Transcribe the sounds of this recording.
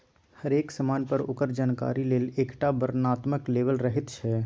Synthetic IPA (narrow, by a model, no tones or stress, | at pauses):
həɾeːksəmaːnpəɾʊkəɾd͡ʒaːnka̰ːɾileːleːkʈabəɾnaːt̪məkleːʋəlɾəɦɪt̪t͡ʃʰɛ